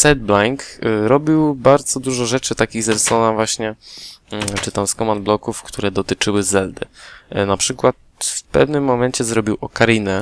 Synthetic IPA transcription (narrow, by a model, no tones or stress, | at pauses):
sɛd̪̚blaŋkɾɔbʲiwbaɾd̪zɔd̪uʐɔʐɛt͡ʂɘt̪akʲiɣzɛɾsɔnavwaɕɲɛ | t͡ʂɘt̪amskɔmand̪blɔkufkt̪uɾɛd̪ɔt̪ɘt͡ʂɘwɘzɛld̪ɘ̰napʂɘkwat̪̚ | fpɛ̰vnɘmːɔmɛɲt͡ɕɛzɾɔbʲiwʔɔkaɾinɛ